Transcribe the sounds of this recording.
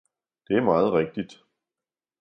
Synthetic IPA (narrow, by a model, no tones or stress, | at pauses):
d̥e̝æɐmɑ̈ːð̞̩ˠʁɛɡ̥̚d̥id̥